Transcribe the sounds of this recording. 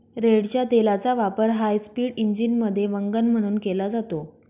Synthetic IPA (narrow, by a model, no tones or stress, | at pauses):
ɾeɽt͡ɕjat̪elat͡saʋapəɾɦajspiːɽiɲd͡ʑinməd̪ʱːjeʋəŋɡənm̤əɽ̃uːnkelad͡zat̪o